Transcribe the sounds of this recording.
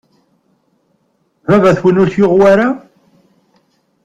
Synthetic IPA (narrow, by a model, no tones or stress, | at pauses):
vævæθwənʊɾθjoʁwaɾa